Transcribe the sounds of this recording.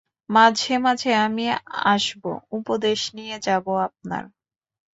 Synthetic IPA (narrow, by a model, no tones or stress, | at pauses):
mad͡ʑʱemad͡ʑʱeamia̰ʃbo̰upod̪eʃnijed͡ʑaboap̚na̰ɾ